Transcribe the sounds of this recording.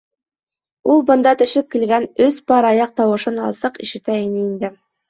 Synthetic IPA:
ulˠbɤ̆nd̪ɑt̪ɵ̆ʃɘp̚kilɡænɵspɑɾɑjɑq̚t̪ɑwɤ̆ʃɤnɑ̰lˠsɤqḭʃɘ̆t̪æinɘind̪ɘ

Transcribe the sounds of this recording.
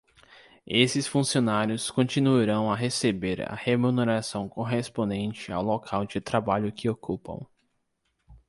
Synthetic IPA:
esɪsfũsionaɾjʊskõt͡ʃĩnuiɾɐ̃w̃aɦesebeɾɐ̰hemuneɾasɐ̃w̃koɦespõnd̪ẽnt͡ʃɪa̰wlokʰawd͡ʒɪt̪ɾabaʎʊkɪokupɐ̰̃w̃

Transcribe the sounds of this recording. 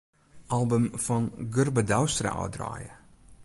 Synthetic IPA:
ʔɑlˠbəmfɔnɡɵrbədawstrə̰ʔɔ̰ːdrɑ̰ːjə̰

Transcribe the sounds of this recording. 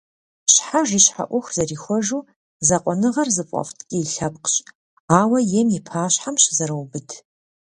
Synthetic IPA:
ɕħaʒiːɕħa̰ʔʷʊxʷzɐriːxʷɔʒuː | zɐqʷʼɔnɨʁɐrzɨpʷʼɔ̰ftʰkʲʼɪːɬɐp̚qɕʼ | aːwɐjɛmipʰaːɕħamɕzɐɾɐwbɨdʰ

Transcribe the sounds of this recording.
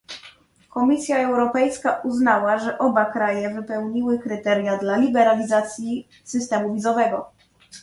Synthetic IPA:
kɔmʲisʲjaɛwɾɔpɛjskaʔuznawaʐɛʔɔbakɾajɛvɘpɛwɲiwɘkɾɘt̪ɛɾjad̪lalʲibɛɾalʲizat̪sʲji | sɘst̪ɛmuvʲizɔvɛɡɔ

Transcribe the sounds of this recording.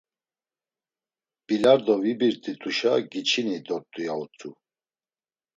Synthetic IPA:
b̥ilaɾd̪ɔvibiɾt̪ʼit̪ʰʼuʃaɡit͡ʃʰinid̪ɔɾt̪ʼujaut͡sʼu

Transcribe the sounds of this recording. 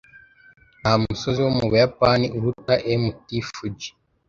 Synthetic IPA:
ahamusoziwomuβujapaniʔuɾutaʔemutifud͡ʒi̥

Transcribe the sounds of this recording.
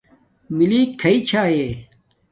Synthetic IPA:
miliːkʰːɐit͡ɕʰaːɦe

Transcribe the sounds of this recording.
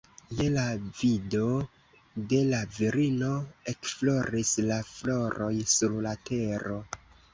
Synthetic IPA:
jelavido̞ | de̞laviɾino̞e̞kflo̞ɾislaflo̞ɾo̞jsuɾlate̞ɾo̞

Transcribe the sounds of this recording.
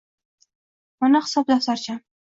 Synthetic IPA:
manaχɪ̥sɒp̚d̪afsaɾt͡ʃʰa

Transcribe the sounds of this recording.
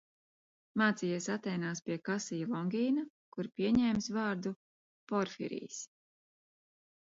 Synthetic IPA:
maːt̪siːjiɛsat̪ːɛjnaːspiɛkasijulˠɔŋɡʲiːna | kuɾpiɛɲɛːmsvɑːɾd̪u | pɔɾfḭɾḭːs

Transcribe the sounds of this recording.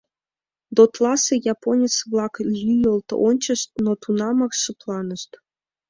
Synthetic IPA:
d̪ot̪lˠɑsɤjɑponʲet͡sβlˠɑklʲyjolˠt̪onʲt͡ɕə̆ʃt̪̚not̪unɑmɑrʂɤ̆plˠɑnɤ̆ʃt̪

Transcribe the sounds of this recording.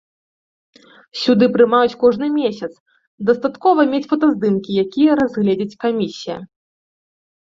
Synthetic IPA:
sʲud̪ɨpɾɨmajut͡sʲkɔʐnɨmʲesʲɐt̪s | d̪ɐst̪at̪kɔvɐmʲet͡sʲfɐt̪ɐzd̪ɨmkʲijakʲijɐɾazɣlʲeɛd͡zʲɐt͡sʲkamʲisʲijɐ̰

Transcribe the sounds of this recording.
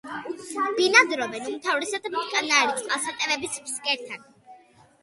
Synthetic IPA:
b̥inad̪ɾɔvɛnumt̪ʰavɾɛsad̪mt̪ʰkʼanaɾit̪sʼqʼalˠsat̪ʼɛvɛbismskʼɛɾt̪ʰan

